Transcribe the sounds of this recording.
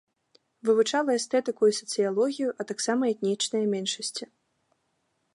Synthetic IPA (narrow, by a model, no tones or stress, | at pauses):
vɨvut͡ʂalˠɐɛst̪ɛt̪ɨkujusɐ̥t̪sɨjalˠɔɣʲijuʔɐt̪aksamɐɛt̪nʲit͡ʂnɐjɐmʲɛnʂɐsʲt͡sʲi